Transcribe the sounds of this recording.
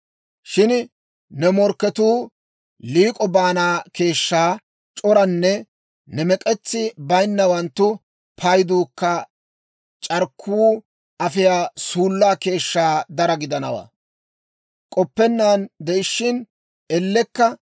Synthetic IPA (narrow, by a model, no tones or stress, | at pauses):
ʃɪn | nɛmɔɾkːɛt̪uː | liːkʼɔbaːnaːke̞ːʃːaː | t͡ʃʼɔɾɐnːɛ | nɛmɛkʼɛt͡sːɪbɐjnːɐwɐnt̪ːʊ | pʰɐjd̪uːkːɐ | t͡ʃʼɐɾkʰːuː | ʔɐfɪjaːsuːlːaːke̞ːʃːaːd̪ɐɾɐɡɪd̪ɐnɐwa̰ː | kʼɔpːɛnːaːnd̪ɛɪʃːɪn | ɛlːɛkːɐ